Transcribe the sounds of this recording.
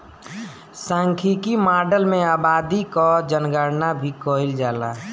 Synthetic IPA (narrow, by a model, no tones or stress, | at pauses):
sãːŋkʰikimaːɾɖəlmẽaːbaːd̪ikɔd͡ʒənɡəɾnabʱikoild͡ʒaːla